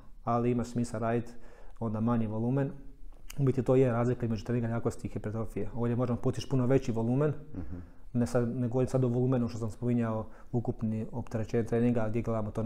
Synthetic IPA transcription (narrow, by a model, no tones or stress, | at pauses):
aliimaʃsmiːsaɾajd̪o̞nd̪amaɲiʋo̞lˠuːmenumit̪it̪oːjeɾaːzlikaizmed͡ʒut̪ɾeniŋɡajaːkost̪ixipet̪ɾofijeo̞ːʋdjemo̞ʒempuːt̪it͡ʃpunoʋe̞t͡ɕiʋo̞lˠuːmen | nesaneɡooɾimsad̪oʋolˠuːmenuʃt̪osamspomiɲaoukupniopt̪eɾet͡ʃeːɲet̪ɾeːniŋɡaɡd̪ʲjeɡled̪amot̪on